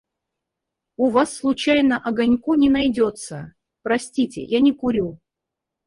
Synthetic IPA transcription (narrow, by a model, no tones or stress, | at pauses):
ʊvasːlˠʊt͡ɕajnəʔɐɡɐnʲkunʲɪnɐjdʲo̞t̪sə | pɾɐsʲtʲitʲɪ̰janʲɪkʊɾʲu